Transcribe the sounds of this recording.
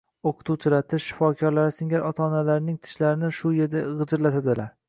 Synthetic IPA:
oqʰɨt̪ʰuwt͡ʃʰɪlat̪ʰɪʃːɪ̥fɒkʲʰɒɾlaɾɪsɪŋʲaɾʔɒt̪ʰaːnalaɾɪnɪŋt̪ʰɪ̥ʃlaɾɪnɪʃʊjeɾd̪aʁɨd͡ʒɪɾlat̪ʰad̪ɪlaɾ

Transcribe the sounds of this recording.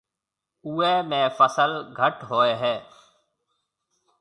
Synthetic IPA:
uːeːmẽːfəsəlɡʱəʈɦoːeːɦɛː

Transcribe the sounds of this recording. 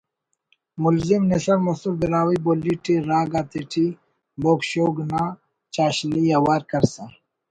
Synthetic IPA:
mulzimnesɐɾmɐsuɾd̪iɾaːwiboːliʈiɾaːɡaːt̪eʈʰi | boːkɕoːɡna | t͡ʃaːɕnijawaːɾkɐɾsã

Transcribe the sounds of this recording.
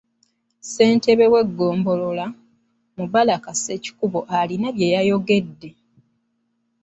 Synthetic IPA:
se̞ːnte̞βe̞we̞ɡːo̞ːmbo̞lo̞la | muβalakase̞ci̥kuβo̞ʔalinaβje̞jajo̞ɡe̞dːe̞

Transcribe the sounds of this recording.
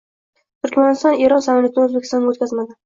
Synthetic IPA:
t̪ʰʊɾkʲmanɪst̪ɒne̞ɾɒnsamaljat̪ʰɪnozbekʰʲɪ̥st̪ɒnːaot̪̚kʲazmad̪ɪ

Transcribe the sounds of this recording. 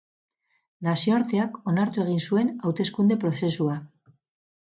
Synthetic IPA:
nasioaɾt̪e̞ako̞naɾt̪ue̞ɣ̞insue̞nawt̪e̞skund̪e̞pɾo̞se̞sua

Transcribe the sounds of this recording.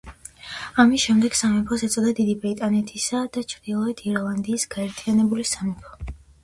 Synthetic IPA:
amisʃɛmd̪ɛɡ̥samɛpʰɔsɛt̪sʼɔd̪ad̪id̪ibit̪ʼanɛt̪ʰisad̪̥at͡ʃʰɾd̪ilˠɔɛt̪ʰiɾlˠand̪iːsɡ̥aɛɾt̪ʰianɛbulisamɛpʰɔ̥

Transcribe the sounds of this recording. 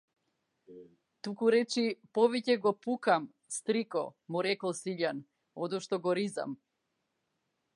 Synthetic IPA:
t̪ukuɾɛt͡ʃipɔvicɛɡɔpukam | st̪ɾikɔ̰muɾɛkɔlˠsiʎan | ɔd̪ɔʃt̪ɔɡɔɾiza̰m

